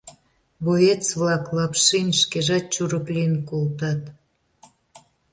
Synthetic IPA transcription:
βojet͡sβlɑklɑpʃinʲʃkeʒɑt̪̚t͡ɕuɾəklinkolt̪ɑt̪

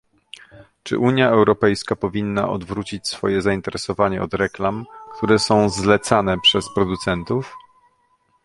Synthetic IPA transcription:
t͡ʂɘ̰ʔuɲjaɛwɾɔpɛjskapɔvʲinːa̰ʔɔ̰d̪vɾut͡ɕit͡ɕsfɔjɛzaint̪ɛɾɛsɔvaɲɛɔd̪ɾɛklamkt̪ʰuɾɛsɔ̃w̃zlɛt̪sanɛpʂɛspɾɔd̪ut̪sɛnt̪uf

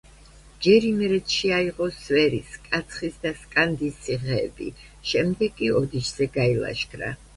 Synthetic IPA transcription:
d͡ʒɛɾimɾɛt̪ʰʃiaiʁɔsvɛɾiskʼat̪sʰχisd̪askʼand̪isiʁɛːbḭ | ʃɛmd̪ɛɡʼiɔd̪it͡ʃʰz̥ɛɡailˠa̰ʃɡɾa̰

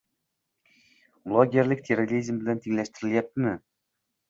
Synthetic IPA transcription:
blˠoɡʲeɾlɪk̚ʲt̪ʰeɾoɾʲizmbɪlænt̪ʰiŋlæʃt̪ɪɾɪljæp̚t̪ɪmɪ

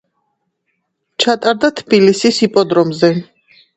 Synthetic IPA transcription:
t͡ʃʰat̪ʼaɾd̪at̪ʰbilisisipʼɔd̪ɾɔmzɛ

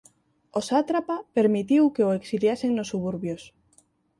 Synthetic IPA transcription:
osat̪ɾapapeɾmit̪iwkeoeksiljaseŋnosːuβ̞uɾβjos

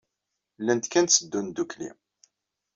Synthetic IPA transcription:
lːænt̪kænt̪səd̪ːund̪uklḭm

